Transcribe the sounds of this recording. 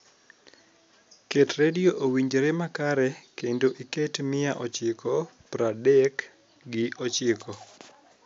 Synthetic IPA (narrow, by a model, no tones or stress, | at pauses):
ketredioʔowiɲd͡ʒɾemakaɾɛkendoʔiketmɪjaʔot͡ʃɪkʰɔpɾadɛk | ɡɪʔot͡ʃɪkʰɔ